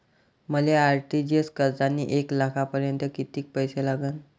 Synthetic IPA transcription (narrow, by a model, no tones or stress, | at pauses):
məleaɾʈid͡ʑeskəɾt͡sanːḭʔeklakʰapəɾjənt̪əkit̪iːk̚pəjselaɡəːn